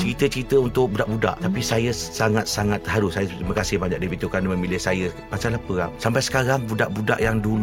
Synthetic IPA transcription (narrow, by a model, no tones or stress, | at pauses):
t͡ʃəɾit̪ət͡ʃəɾit̪əunt̪ʊk̚budaʔbuda̰ʔt̪apisajəsaŋat̪̚saŋat̪ːəɦaɾʊsːajəimakasɪhbaɲa̰k̚dibit̪ukanmə̃milɪhsajə | pasalahpəɾap̚sampajsə̥kaɾaŋbuda̰ʔbuda̰ʔjaŋdul